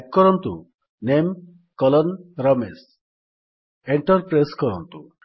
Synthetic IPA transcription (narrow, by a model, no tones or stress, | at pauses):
k̚kɔɾɔnt̪ṵ | nem | kɔlɔnɾɔmes | eɳʈɔɾpɾejskɔɾɔ̰nt̪u